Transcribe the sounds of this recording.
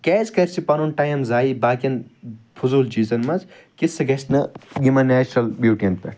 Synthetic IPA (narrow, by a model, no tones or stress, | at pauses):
keːzkɐɾʲt͡ʃipɐnunʈajmzaːibaːkɐnfʰuzuːlt͡ʃiːzɐnmɐz | kisɐɡɐsnɐɡimɐneːt͡ʃnɐlbjuːʈint̪̚pɐʈ